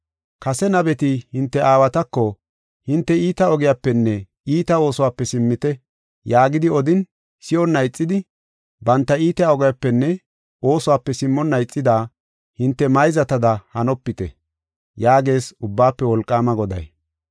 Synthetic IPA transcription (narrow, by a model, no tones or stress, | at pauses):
kɐsɛnɐbɛt̪ɪhɪnt̪ːɛʔaːwɐt̪ɐkːɔ | hɪnt̪ːɛiːt̪ɐɔɡɪjapːɛnːɛ | iːt̪ɐo̞ːsɔwaːpːɛsɪmːɪt̪ɛ | jaːɡɪd̪ɪɔd̪ɪn | sɪjɔnːɐjt͡sʼːɪd̪ɪ | bɐnt̪ːɐiːt̪ɛjaɔɡɐjapːɛnːɛ | o̞ːsʊwaːpːɛsɪmːɔnːɐjt͡sʼːɪd̪aː | hɪnt̪ːɛmɐjzɐt̪ɐd̪ɐhɐnɔpːɪt̪ɛ̰ | jaːɡe̞ːsʊbːaːpːɛwɔlkʼːaːmɐɡɔd̪ɐ̰j